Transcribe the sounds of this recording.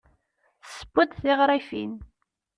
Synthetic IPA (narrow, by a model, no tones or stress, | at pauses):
sə̥bʊd̪θiʁɾˤifḭn